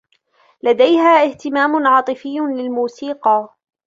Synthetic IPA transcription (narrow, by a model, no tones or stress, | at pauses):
lad̪ajhaːʔɪht̪ɪmaːmʊnʕɑːt̪ˤɨfɪjːʊlɪlmuːsiːqɑː